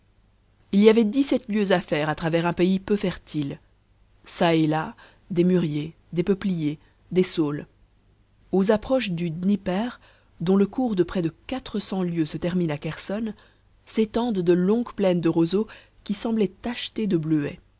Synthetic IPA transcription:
iliavɛd̪isɛt̪ljøzafɛʁat̪χavɛʁɛ̃peipøfɛʁt̪ʰil | saela | d̪emyʁje | d̪epəplije | d̪esol | ozapχɔʃd̪ydnipɛʁ | d̪ɔ̃ləkuʁd̪əpχɛd̪əkat̪χəsɑ̃ljøsət̪ɛʁminakɛʁsɔn | set̪ɑ̃d̪d̪əlɔ̃ɡplɛnd̪əʁozo | kʲisɑ̃blɛt̪aʃt̪ed̪əbløɛ

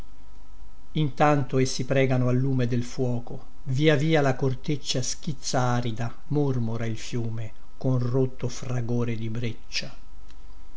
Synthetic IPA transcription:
int̪ant̪oesːipɾɛːɡanoalːuːmed̪elfwɔːko | viːaviːalakort̪et͡ʃːask̟it̪sːaaːɾid̪a | mormoɾailfjuːme | konrot̪ːofraɡoːɾed̪ibɾet͡ʃːa

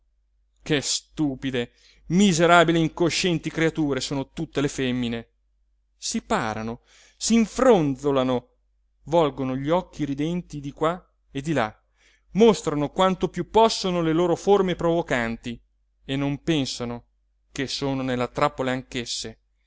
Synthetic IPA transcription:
kest̪uːpid̪e | mizeɾaːbileiŋkoʃːɛnt̪ikɾeat̪uːɾesoːnot̪ut̪ːelefɛmːine | sipaːɾano | siɱfɾond̪zolano | vɔlɡonoʎiɔk̟ːiɾid̪ɛnt̪id̪ikwa | ed̪ila | most̪ɾanokwant̪opjupːɔsːonoleloːɾoformepɾovokant̪i | enːompɛnsano | kesːoːnonelːat̪ɾapːoleaŋkesːe

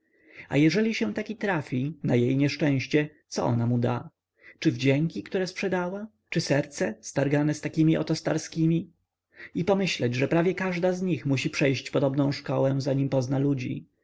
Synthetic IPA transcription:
a̰jɛʐɛlʲiɕɛw̃t̪akʲit̪ɾafʲinajejɲɛʂt͡ʂɛ̃w̃ɕt͡ɕɛ | t̪sɔ̰ʔɔ̰namud̪a̰ | t͡ʂɘvd͡ʑɛŋkʲikt̪uɾɛspʂɛd̪awa | t͡ʂɘsɛɾt̪sɛst̪aɾɡanɛst̪akʲimʲiʔɔ̰t̪ɔst̪aɾskʲimʲi | ipɔmɘɕlɛd͡ʑʐɛpɾavʲjɛkaʐd̪azɲixmuɕipʂɛjɕt͡ɕpɔd̪ɔbnɔ̃w̃ʂkɔwɛ̃zaɲimpɔznalud͡ʑḭ

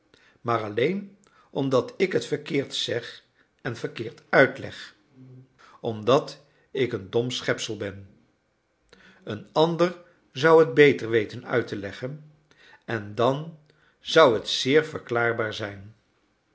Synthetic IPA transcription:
maːɹɑlejn | ʔɔmdɑtɪkɦətfəɹkɪːɹtsɛχ | ɛnvəɹkɪːɹtœɥtlɛ̰χ | ɔmdɑt | ɪkəndɔmsχɛpsəlˠbɛn | ənɑndəɹ | zʌwɦəd̚bejtəɹʋejtənœ̰ɥtəlɛχən | ɛndɑn | z̥ʌwɦətsɪːɹvəɹklaːɹbaːɹzɛjn

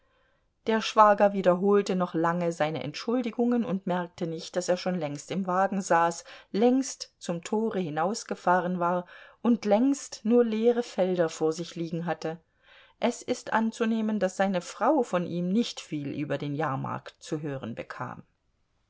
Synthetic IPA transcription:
d̥eːɐʃv̥aːɡɐviːdɐɦoːltənɔχlaŋəzaɪnə̰ʔɛ̰ntʃʊldɪɡʊŋənʊ̰ntmɛɐk̚tənɪçt̚d̥aseːɐʃoːnlɛŋstɪmvaːɡŋ̩zaːslɛŋstt͡sʊmtʰoːʁəhɪnaʊsɡ̥əfaːʁ̞ənvaːɐʔʊntlɛŋstnuːɐleːʁəfɛldɐfoːɐzɪçliːɡŋ̩ɦatə | ʔɛsɪstʔa̰nt͡suneːməndasz̥aɪnəfʁ̥aʊfɔnʔiːmnɪçtfiːlʔyːbɐdeːnjaːɐma̰ɐktt͡suɦøːʁənbəkʰa̰ːm

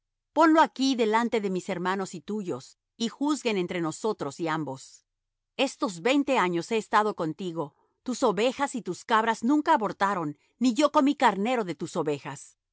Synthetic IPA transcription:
po̞nlo̞akiðe̞lant̪e̞ðe̞mise̞ɾmãno̞sit̪uʝo̞̰s | ixuzɣe̞ne̞nt̪ɾe̞no̞so̞t̪ɾo̞siambo̞s | e̞st̪o̞zβe̞jnt̪e̞aɲo̞se̞ːst̪að̞o̞ko̞nt̪iɣo̞ | t̪uso̞βe̞xasit̪uskaβɾaznũŋkaːβo̞ɾt̪aɾo̞nː | iʝo̞komikaɾne̞ɾo̞ðe̞t̪uso̞βe̞xas

